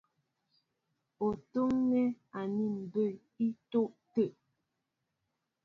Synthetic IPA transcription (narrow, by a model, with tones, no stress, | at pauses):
o˨to˦ŋnɛ˦a˨ni˦˨m̩˨bə˦˨ | i˦to˦ʔtə˦˨ʔ